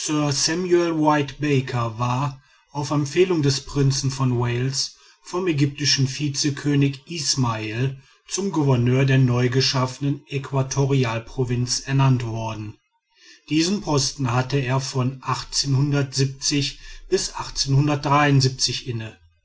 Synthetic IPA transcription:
sœɐsɛmjuɛlwaɪtb̥ɛɪkʰɐvaːɐ | ʔaʊfɛmpfeːlʊŋdɛspʁ̥ɪnt͡sn̩fɔnweɪls | fɔmɛɡʏp̚tɪʃn̩fiːt͡səkʰøːnɪçʔiːsmael | t͡sʊmɡuvɛɐnøːɐdeːɐnɔʏɡəʃafənənʔɛkʰv̥atʰoʁiaːlpʁ̥ovɪnt͡sɛɐnantv̥ɔɐdn̩ | d̥iːzənpʰɔstn̩hatəeːɐfɔnʔaχt͡seːnhʊndɐtz̥ip̚t͡sɪçb̥ɪsʔaχt͡seːnhʊndɐt̚d̥ʁaɪʊnzip̚t͡sɪçʔɪnə

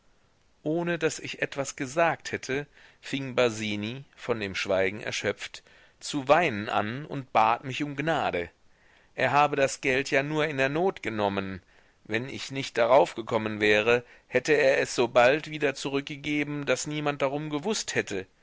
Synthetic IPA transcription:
ʔoːnədasɪçʔɛtv̥asɡ̥əzaːk̚thɛtʰəfɪŋbaziːnifɔndeːmʃv̥aɪɡŋ̩ʔɛ̰ɐʃœp͡ft | t͡suvaɪnənʔa̰nʊ̰nt̚b̥aːtmɪçʊmɡnaːɾə | ʔeːɐɦaːbədasɡ̥ɛltjaːnuːɐɪndeːɐnoːtɡ̥ənɔmən | vɛnʔɪ̰çnɪçt̚d̥aʁaʊfɡ̥əkʰɔmənvɛːʁ̞ə | hɛtəeːɐɛsz̥oːbaltv̥iːdɐt͡suʁʏk̚ɡ̥əɡeːbm̩d̥asniːmant̚d̥aʁʊmɡəvʊsthɛtʰə

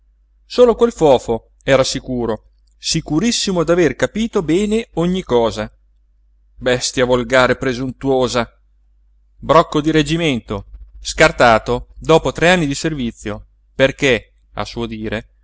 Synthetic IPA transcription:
soːlokwelfɔːfo | ɛːɾasikuːɾo | sikuɾisːimod̪averkapiːt̪obɛːneoɲːikɔːza | bɛst̪javolɡaːɾepɾezunt̪uwoːza | bɾɔkːod̪iɾed͡ʒiment̪oskart̪aːt̪od̪ɔːpot̪ɾeanːid̪iservit̪sːjo | perke | a̰suod̪iːɾe

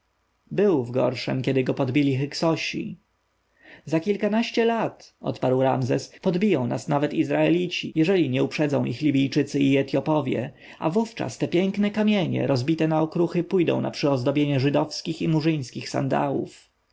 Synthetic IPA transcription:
bɘwvɡɔ̰ɾʂɛ̰mkʲɛd̪ɘɡɔpɔd̪bʲilʲixɛksɔɕḭ | zakʲilkanaɕt͡ɕɛlat̪ʔɔ̰t̪paɾwɾa̰mzɛspɔd̪bʲijɔ̃w̃na̰snavɛt̪izɾaɛlʲit͡ɕijɛʐɛlʲiɲɛupʂɛd̪zɔ̃w̃ʔixlʲibʲijt͡ʂɘt̪sɘiɛt̪jɔpɔvʲjɛ̰ | avuft͡ʂa̰st̪ɛpʲjɛŋknɛkamʲjeɲɛ̰ɾɔzbʲit̪ɛnaɔkɾuxɘpujd̪ɔ̰̃w̃na̰pʂɘɔzd̪ɔbʲjeɲɛʐɘd̪ɔfskʲiximuʐɘj̃skʲixsa̰nd̪a̰wṵf

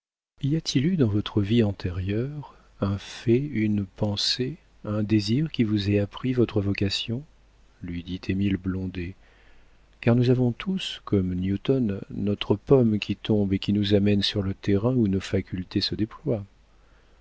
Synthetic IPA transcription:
iliat̪ʰilyd̪ɑ̃vɔt̪χəviɑ̃t̪eʁjœʁ | ɛ̃fɛynpɑ̃se | ɛ̃d̪eziʁkʲivuzɛapχivɔt̪χəvɔkasjɔ̃ | lɥid̪it̪ʰemilblɔ̃d̪e | kaʁnuzavɔ̃t̪ʰuskɔmnjut̪ɔnːɔt̪χəpɔmkʲit̪ɔ̃bekʲinuzamɛnsyʁlət̪eʁɛ̃unofakʲylt̪esəd̪eplwa

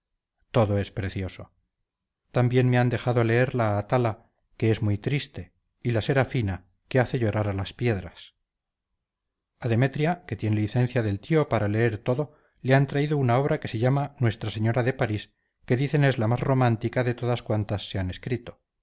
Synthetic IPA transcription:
t̪o̞ðo̞e̞spɾe̞θjo̞so̞ | t̪ambje̞nmeand̪e̞xaðo̞le̞eɾlaːt̪ala | ke̞ezmujt̪ɾist̪e̞ | ilase̞ɾafina | ke̞aθe̞ʝo̞ɾaɾalaspje̞ðɾas | aðe̞me̞t̪ɾjake̞t̪je̞neliθe̞n̟θjaðe̞lt̪io̞paɾale̞eɾt̪o̞ðo̞ | leant̪ɾaiðounao̞β̞ɾake̞se̞ʝamanwe̞st̪ɾase̞ɲo̞ɾaðe̞paɾis | ke̞ðiθe̞ne̞zlamazro̞mant̪ikaðe̞t̪o̞ðaskwant̪asːe̞ane̞skɾit̪o̞

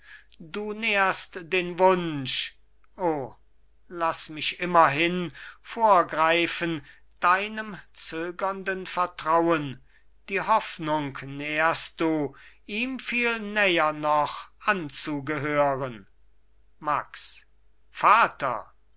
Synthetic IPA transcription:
duːneɐstd̥eːnvʊnʃ | ʔoː | lasmɪʃʔɪmɐɦɪnfoːɐɡʁaɪfən | d̥aɪnəmt͡søːɡɐndənfɛɐtʁ̥awən | d̥iːhɔfnʊŋknɛɐst̚d̥uːʔiːmfiːlnɛjɐnɔχʔant͡suɡəɦøːʁən | maks | faːtɐ̰

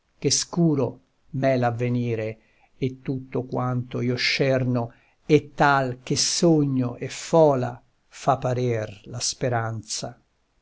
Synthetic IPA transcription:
k̟eskuːɾo | mɛlavːeniːɾe | et̪ːut̪ːokwant̪oiːoʃːɛrno | et̪ːalk̟esoɲːoʔefɔːla̰ | fapːaɾerlaspeɾant̪sa

